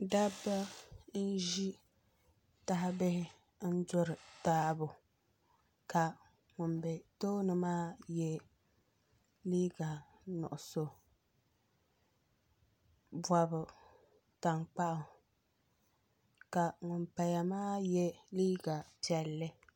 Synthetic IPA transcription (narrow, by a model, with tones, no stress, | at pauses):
da˦ba˦n̩˦ʒi˦ | ta˦ɦa˦bɪ˦hɪ˦ | n̩˦dʊ˦ɾɨ˨taː˦bʊ˨ | ka˨ | ŋʊ˨mbɛ˨to˦nɨ˨maː˦jɛ˦ | liː˦ɡa˨ | nʊ̰˨ʔʊ˨so˨ | ba˨bʊ˨ | ta˨ŋk͡pa˦ʔʊ˨ | ka˨ŋʊ˨mpa˨ja˨maː˦jɛ˦liː˦ɡa˨pi˨ɛ˨lːɨ˦